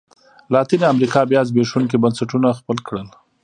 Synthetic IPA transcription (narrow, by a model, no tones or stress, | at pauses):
lɑt̪inamɾikɑbjɑzbeʂunk̬ibansaʈunaxpəlkɽəl